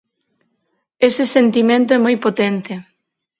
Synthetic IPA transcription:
esɪsent̪imẽnt̪oɛmojpot̪ent̪e

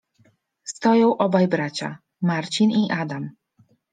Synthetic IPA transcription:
st̪ɔjɔ̃w̃ʔɔbajbɾat͡ɕa̰ | maɾt͡ɕiniʔad̪am

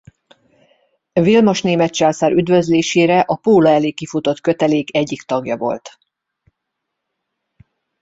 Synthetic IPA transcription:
vilmo̞ʃneːmɛt̪t͡ʃaːlsaːɾʔyd̪vø̞zleːʃeːɾɛʔɒpoːlɒɛleːkifut̪o̞t̪kø̞t̪ɛleːkɛɟːikt̪ɒɡjɒ̰vo̞̰lt̪

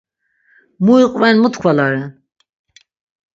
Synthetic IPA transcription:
muiqʼvɛnmut̪kʰvalaɾɛ

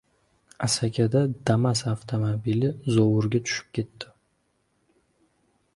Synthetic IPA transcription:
asakʲʰad̪ad̪̥amasaft̪ʰomobilɪzowʊɾɡʲat̪ʰʊ̥ʃɪ̥p̚kʲʰe̞t̪ːɪ

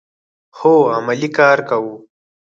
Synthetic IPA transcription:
xoamalikɑːɾkawu

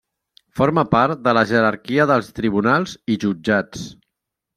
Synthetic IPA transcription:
fɔɾməpaɾt̪̚d̪ələʒəɾəɾkiəðəlˠst̪ɾiβ̞unalˠziʒud͡ʒat͡s

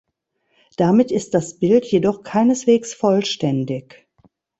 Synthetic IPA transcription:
d̥amɪtɪst̚d̥asb̥ɪltjedɔχkʰaɪnəsv̥eːksfɔlʃtɛndɪç

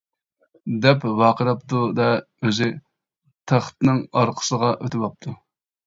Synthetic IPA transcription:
d̪ɛpvɑːqəɾɑp̚t̪ʰud̪ɛ | øzɪ | t̪ʰæχt̪ɨnɨŋɑɾqʰə̥səʁɑʔøt̪ʰɪbɑp̚t̪ʰu

